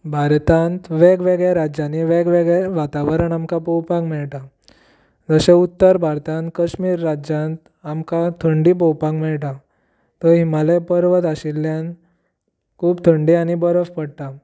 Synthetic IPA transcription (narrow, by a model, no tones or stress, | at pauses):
bʱaɾt̪ãnt̪ʋeɡʋeɡɭeɾad͡ʑaniʋeɡʋeɡɭeʋat̪aʋəɾəɳamkapɔwpãŋkmɛɭʈa | d͡zəɕẽut̪ːəɾbʱaɾt̪ãnt̪kəɕmiːɾːad͡ʑãnt̪ | amkat̪ʰəɳɖip̬ɔwpãŋkmɛɭʈa | t̪ɔɦimalepəɾʋət̪aɕilːjãn | kʰuːbt̪ʰəɳɖiañibəɾəfpəɽt̪a